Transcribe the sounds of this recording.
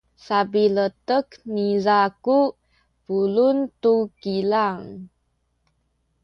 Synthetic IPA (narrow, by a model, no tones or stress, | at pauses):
sabilət̪əknizaku | pulunt̪ukilaŋ